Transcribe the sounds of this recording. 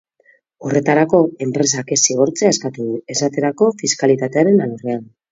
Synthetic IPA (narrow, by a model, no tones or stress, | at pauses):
o̞re̞t̪aɾako̞e̞mpɾe̞s̬ake̞siɣ̞o̞ɾt͡seaeskat̪uðue̞sat̪e̞ɾako̞fiskalit̪at̪e̞aɾe̞nalurean